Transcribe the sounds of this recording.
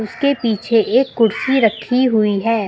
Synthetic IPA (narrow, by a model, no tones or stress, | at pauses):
ʊskepiːt͡ʃʰeʔeːkːʊɾsiɾɐkʰːiɦʊiɦɛː